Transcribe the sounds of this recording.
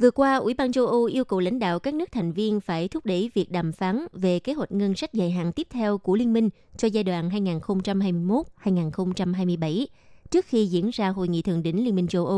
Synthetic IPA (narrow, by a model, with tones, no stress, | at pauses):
vɨ˨˩əkwaː˧ʔwḭ˧˩ɓaː˧nt͡ɕə˧ʔə˧ʔi˧əwkə˨˩wla̰˧˦ŋ̟ɗa̰ː˧˨wkaː˦˥k̚nɨ˦˥ək̚t̪ʰa˨˩jŋ̟vi˧ənfaː˧˩jt̪ʰʊ˦˥p̚ɗe˧˥vi˨˩ək̚ɗaː˨˩mfaː˨˦nve˨˩ke˨˦hwa˨˩t̟̚ŋə˧nsa˦˥jk̟̚zaː˨˩jɦa̰ː˧˨nt̪i˦˥əp̚t̪ʰɛ˧wku˧˩əli˧ənmï˧ŋ̟ | t͡ɕɔ˧zaː˧jɗwa̰ː˧˨nɦaː˧jŋaː˨˩nxə˧wŋ͡mt͡ɕa˧mhaː˧jmɨ˧əjmo˦˥t̚haː˧jŋaː˨˩nxə˧wŋ͡mt͡ɕa˧mɦaː˧jmɨ˧əjɓa˧˩jt͡ɕɨ˦˥ək̚xi˧zḭ˧˥ənzaː˧ɦo̰˧˨jŋḭ˧˨t̪ʰɨ̰˨˧˨əŋɗï˧˩ŋ̟li˧ənmï˧ŋ̟t͡ɕə˧wʔə˧